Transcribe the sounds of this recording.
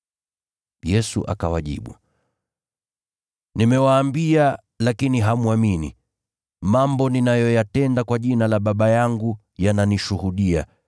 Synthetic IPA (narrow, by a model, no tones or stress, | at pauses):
jɛsṵʔa̰kawaʄḭɓṵ | nimɛwaːmbia | lakiniɦamuaminḭ | mambɔninajɔjatɛndakwaʄinalaɓaɓajaŋɡu | jananiʃuhuɗia̰